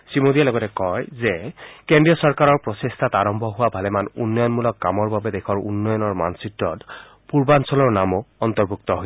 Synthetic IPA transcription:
simodijalɔɡɔtɛkɔjzɛkendɹijɔsɔɹkaɹɔɹpɹɔsestʰataɹɔmbʱɔɦʊwabʱalɛmanunːɔjɔnmulɔkːamɔɹbabɛdekʰɔɹṵnːɔjɔnɔɹma̰nsitɔt | puɹbansɔlɔɹnamoɔnt̪ɔɹbʱuk̚t̪ɔɦoj

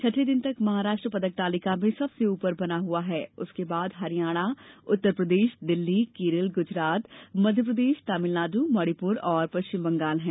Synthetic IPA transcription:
t͡ʃʰɐʈʰed̪ɪnt̪ɐkmɐɦaːɾaːʃʈɾəpɐd̪ək̚t̪aːlɪkamẽsɐbseuːpəɾbɐnaɦuaɦɛːʊskebaːd̪ɦɐɾijaːɽ̃aʊt̪ːəɾpɾəd̪eːʃd̪ɪlːikeːɾɪlɡʊd͡ʒɾaːt̪mɐd̪ʱjəp̬ɾəd̪eːʃt̪aːmɪlnaːd̪umɔːɽipuːɾɔːɾpɐʃt͡ʃɪmbɐ̃ŋɡaːlɦɛ̃ː

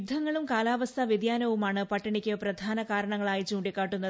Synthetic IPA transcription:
d̪ʱːɐŋːɐɭumkaːlaːʋɐst̪ʰɐʋid̪jaːnɐʋumaːɳɨpɐʈːɐɳikʲːɨprɐd̪ʱaːnɐkaːɾɐɳɐŋːɐɭaːjit͡ɕuːɳɖikːaːʈːunːɐ

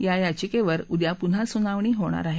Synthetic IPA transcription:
jajat͡ɕikeʋəɾud̪japun̤asunaʋɳ̃iːɦoɽ̃a̰ɾaɦe

